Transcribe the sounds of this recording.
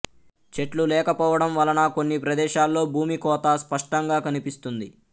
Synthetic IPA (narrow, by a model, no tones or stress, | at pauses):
t͡ʃe̞ʈlulɛːkɐpɔːʋɐɽɐmʋɐlɐnɐko̞nːipɾɐd̪ɛːʃaːlːo̞ːbʱuːmikɔːt̪aːspɐʂʈɐŋɡaːkɐnipist̪und̪i